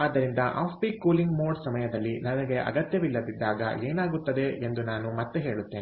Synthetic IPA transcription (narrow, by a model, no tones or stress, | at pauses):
aːd̪ːɐɾind̪ɐʔʔaːpbikuːliŋɡmoːɖsɐmɐjɐd̪ɐlːinɐnɐɡe̞ʔɐ̰ɡɐt̪jɐʋilːɐd̪id̪ːaːɡɐ̰ʔeːnaːɡut̪ːɐd̪e̞ʔend̪unaːnumɐt̪ːeɦe̞ːɭut̪ːeːn